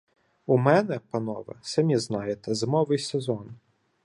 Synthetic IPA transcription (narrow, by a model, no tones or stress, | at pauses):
umɛnɛpɐnɔʋɐ̰sɐmʲiznɑjet̪ɛzmɔʋɪjsezɔn